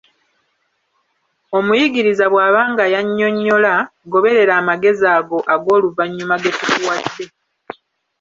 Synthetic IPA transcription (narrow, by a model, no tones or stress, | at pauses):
o̞mujiɡiɾizaβwaːβaːŋɡajaɲːo̞ɲːo̞laɡo̞βe̞ɾe̞ɾaːmaɡe̞zaːɡo̞ʔaɡo̞ːluvaɲːumaɡe̞tutuwadːe̞